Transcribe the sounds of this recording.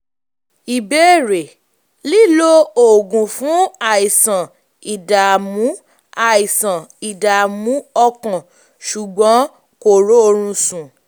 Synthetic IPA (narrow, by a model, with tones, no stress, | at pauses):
i˨be˦˨ɾe˨ | li˦lo˦o˨ɡũ˨fũ˨˦a˨i˨sã˨ | i˨da˨mũ˨˦ | a˦˨i˨sã˨i˨da˨mũ˨˦ɔ˧kã˨ | ʃu˨ɡ͡bɔ̃˨˦ | ko˨ɾo˨˦o˧ɾ̃ũ˧sũ˨